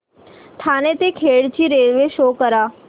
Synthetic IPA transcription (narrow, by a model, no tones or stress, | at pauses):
ʈ̪ʰanet̪ekʰeɭt͡ɕiːɾelʋeʃokəɾa